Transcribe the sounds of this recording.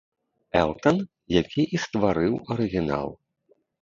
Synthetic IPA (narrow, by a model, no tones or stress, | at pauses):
ɛ̰lˠt̪ɐn | jakʲiʔist̪vaɾɨwɐɾɨɣʲina̰lˠ